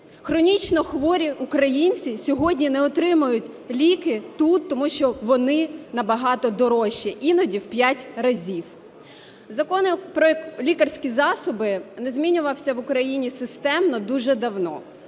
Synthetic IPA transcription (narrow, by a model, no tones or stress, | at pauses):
xɾɔnʲit͡ʃnɔxʋɔɾʲiukɾɐjinʲt͡sʲisʲɔɦɔdʲnʲinɛɔt̪ɾɪmʊjʊtʲ | lʲikɪt̪ut̪ːɔmuʃt͡ʃɔʋɔnɪnɐbɐɦɑt̪ɔd̪ɔɾɔʃiʔinɔdʲiwpʲjatʲɾɐzʲiw | zɐkɔnɪpɾɔlʲikɐrsʲkʲizɑsɔbɪnɛzmʲinʲʊʋɐwsʲɐʋʊkɾɐjinʲisɪst̪ɛmnɔd̪uʒɛd̪ɐwnɔ̰